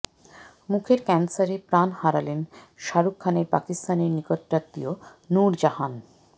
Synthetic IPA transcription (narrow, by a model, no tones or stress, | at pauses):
mukʰeɾkɛnsaɾepɾanhaɾalen | ʃaɾukʰːaneɾpa̰kist̪aneɾnikot̪ːɾat̪ːijo | nuɾd͡ʑaɦan